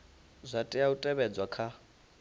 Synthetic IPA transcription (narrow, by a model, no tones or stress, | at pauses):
zʷatʼɛautʼɛβɛd͡zwakʰa